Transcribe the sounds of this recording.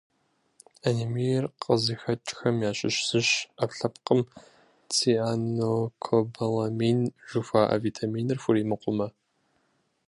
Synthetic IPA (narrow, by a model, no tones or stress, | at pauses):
ɐnimijɛrqʼəzixɐt͡ʃʼxɐmjaːɕʼɪ̰ɕsɨɕɐpɬɐpqəm | t͡sʰʼiːʔaːnoːkʰobɐlɐmiːnʒ̥ufaːʔɐ̰viːtʰamiːnɨrfʷʊɾiːmɨqʷʼʊmɐ